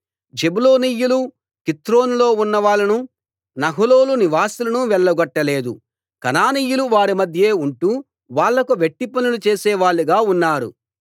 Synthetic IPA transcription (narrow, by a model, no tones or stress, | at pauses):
d͡ʒebulo̞ːniːjulu | kit̪ɾo̞ːnlo̞ːunːɐʋaːɭːɐnu | nɐɦulo̞ːluniʋaːsulɐnuʋɛɭːɐɡɔʈːɐle̞ːd̪ṵ | kɐnaːniːjuluʋaːɾimɐd̪ʱje̞ːuɳʈu | ʋaːɭːɐkuʋeʈːipɐnulut͡ʃeːsɛːʋaːɭːiɡaːunːaːɾṵ